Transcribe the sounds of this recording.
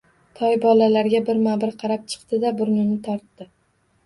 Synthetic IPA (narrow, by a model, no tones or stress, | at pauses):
t̪ʰɒjbɒlalaɾɡʲabɪɾmabɪɾqʰɑɾap̚t͡ʃʰɨ̥qt̪ɪd̪abʊɾnɪnɪt̪ʰɒɾt̪ːɪ